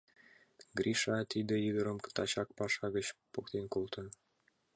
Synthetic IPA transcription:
ɡrʲiʃɑt̪id̪ə̆jid̪əɾəmt̪ɑt͡ɕɑk̚pɑʃɑɣə̆t͡ɕpokt̪enkolt̪ɤ̆

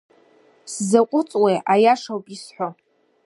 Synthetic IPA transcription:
szaqʷʼʊt͡sʼweajaʂawpʼisħʷo

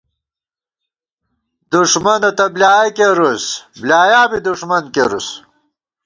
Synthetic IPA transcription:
d̪uʂmɐnɐt̪ɐblʲaːikeɾusbljaːjaːbid̪uʂmɐnkeɾus

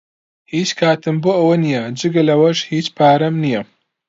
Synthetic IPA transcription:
hiːt͡ʃkʰaːt̪ɨmboːʔɐwɐnijɐd͡ʒɨɡɐlɐwɐʃhiːt͡ʃpʰaːɾɐmnijɐ

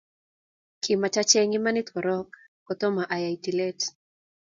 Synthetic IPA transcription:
kʰimat͡ʃat͡ʃɛŋimanit̪wɔɾɔk | kɔt̪ɔmaʔajaitilɛt

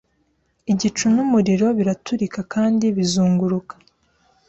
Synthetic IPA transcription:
iɟit͡ʃunumuɾiɾo̞βiɾatuɾikakaːndiβizuːŋɡuɾukḁ

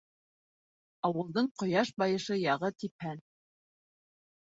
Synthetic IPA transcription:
ɑwɤ̆lˠd̪ɤɴqŏjɑʃbɑjɤ̆ʃɤjɑʁɤt̪ip̚hæn

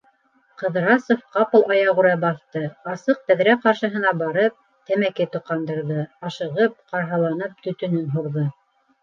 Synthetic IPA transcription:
qɤ̆ðɾɑsofqɑpɤ̆lˠɑjɑʁuɾɑbɑθt̪ɤɑsɤq̚t̪æðɾæqɑɾʃɤ̆ɦɤ̆nɑbɑɾɤp̚ | t̪æmækɘt̪ŏqɑnd̪ɤ̆ɾðɤɑʃɤ̆ʁɤp̚qɑɾɦɑlˠɑnɤp̚t̪ɵ̆t̪ɵ̆nɵnɦuɾðɤ

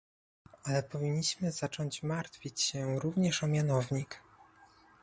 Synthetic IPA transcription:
alɛpɔvʲiɲːiɕmɘz̥at͡ʂɔɲt͡ɕmaɾt̪fʲit͡ɕɕɛɾuvɲɛʂɔmʲjanɔvɲik

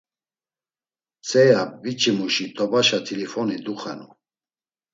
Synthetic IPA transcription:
t͡sʼɛjabit͡ʃʰʼimuʃit̪ʼɔbaʃat̪ʰilifɔnid̪uχɛnṵ

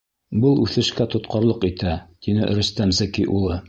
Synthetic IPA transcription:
bɤlˠʉθɘ̆ʃkæt̪ŏt̪qɑ̆ɾlˠɤqit̪æt̪inɘ̰ʔ̆ɾɵ̆st̪æmzækiʔulˠɤ

